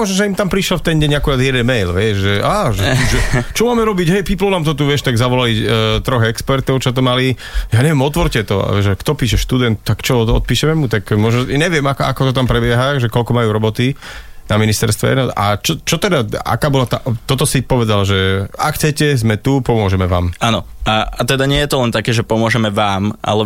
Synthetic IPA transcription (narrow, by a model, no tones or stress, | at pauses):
mɔʒnɔʒɛimt̪ampɾiʃlɔft̪ɛnɟɛɲakuɾad͡zjɛd̪ɛnmɛjlʋɪɛʃʒɛʔaʒɛuʒɛt͡ʃɔmaːmɛɾɔbiɟɦɛjpiplɔnaːmt̪̬ɔt̪uʋɪɛʃt̪aɡzaʋɔlalit̪ɾɔɣɛkspɛɾt̪ɔʊt͡ʃɔt̪̬ɔmali | jaːɲɛʋɪɛmɔt̪ʋɔɾcɛt̪ɔ̰a̰ʋɛʒɛkt̪ɔpiːʃɛʃt̪ud̪ɛnt̪̚t̪ːakt͡ʃɔɔ̰t̪̚piːʃɛmɛmut̪akmʊɔʒnɔɲɛʋɪɛmaka̰kɔt̪ɔt̪ampɾɛbɪɛɦaʒɛkɔlkɔmajuːɾɔbɔt̪inaminist̪ɛɾst̪ʋɛ̰ɛ̰nɔa̰t͡ʃɔt͡ʃɔt̪ɛd̪aa̰kaːbɔlat̪aʔt̪ɔt̪ɔsipɔʋɛd̪alʒɛa̰kxt͡sɛcɛzmɛt̪upɔmʊɔʒɛmɛʋa̰ːmanɔ̰aat̪ɛd̪aɲɪɛjɛt̪ɔlɛnt̪akɛːʒɛpɔmʊɔʒɛmɛʋaːma̰lɛ